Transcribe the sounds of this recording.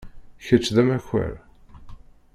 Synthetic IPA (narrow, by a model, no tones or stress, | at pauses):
çət͡ʃːðæmæçə̰ɾ